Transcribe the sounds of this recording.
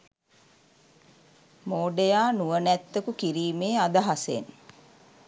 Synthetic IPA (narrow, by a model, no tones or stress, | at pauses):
moːɖejaːnuʋənæt̪ːəkukiɾiːmeːad̪əɦasḛn